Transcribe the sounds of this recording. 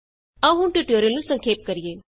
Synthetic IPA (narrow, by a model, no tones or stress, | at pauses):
ɐɦũɳʈuʈoːɾjəlnũsɐ̃ŋkʰeːp̚kɐɾijeː